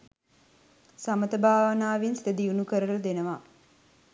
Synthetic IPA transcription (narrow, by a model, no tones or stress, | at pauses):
samət̪əbaːʋənaːʋinsid̪əd̪iunukəɾələd̪enəʋa